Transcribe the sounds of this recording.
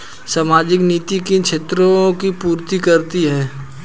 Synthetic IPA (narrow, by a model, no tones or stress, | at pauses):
saːmaːd͡ʒɪkniːt̪ikikʃeːt̪ɾõkipuːɾt̪ikɐɾt̪iɦɛː